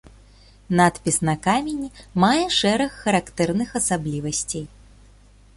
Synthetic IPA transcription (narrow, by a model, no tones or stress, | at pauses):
nat̪pʲisnɐkamʲenʲimajɛʂɛɾɐxːɐɾakt̪ɛrnɨxɐsablʲivɐsʲt͡sʲej